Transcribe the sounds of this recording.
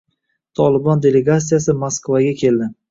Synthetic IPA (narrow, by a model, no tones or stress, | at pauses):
t̪ʰɒlˠɪbɒnd̪ʲe̞le̞ɡat̪sijasɪmoskvaɡʲakʲʰe̞ld̪ɪ